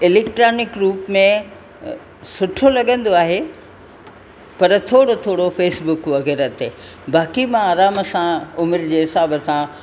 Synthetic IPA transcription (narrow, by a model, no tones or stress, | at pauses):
ɪleːk̚ʈɾaːnɪkɾuːpmẽ | sʊʈʰolɐɠə̃n̆d̪oaːɦe | pɐɾt̪ʰoːɽot̪ʰoːɽofeːsbʊkʋɐɣɛːɾət̪eː | baːkimãaːɾaːməsãʊmɪɾd͡ʑeːɦɪsaːbəsã